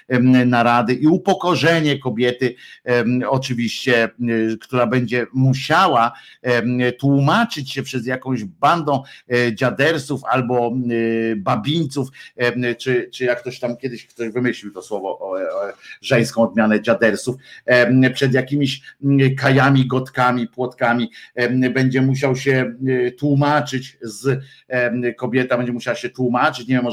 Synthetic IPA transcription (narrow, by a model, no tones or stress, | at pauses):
naɾad̪ɘʔiupɔkɔʐɛɲɛkɔbʲjɛt̪ɘ | ɔt͡ʂɘvʲiɕt͡ɕɛkt̪uɾabɛɲd͡ʑɛmuɕawa | t̪wumat͡ʂɘt͡ɕɕɛpʂɛzjakɔ̃w̃ʑband̪ɔ̃w̃d͡ʑad̪ɛɾsufa̰lbɔ | babʲiɲt̪suft͡ʂɘt͡ʂɘjakːt̪ɔɕt̪amkʲjɛd̪ɘɕkt̪ɔʑvɘmɘɕlʲiwt̪ɔswɔvɔʔ | ʐɛj̃skɔ̃w̃ɔd̪̚mʲjanɛd͡ʑad̪ɛɾsuf | pʂɛd̪jakʲimʲiɕkajamʲiɡɔt̪kamʲipwɔt̪kamʲibɛɲd͡ʑɛmuɕawɕɛt̪wumat͡ʂɘt͡ɕz | kɔbʲjɛt̪abɛɲd͡ʑɛmuɕawɕɛt̪wumat͡ʂɘt͡ɕɲɛvʲjɛmːɔ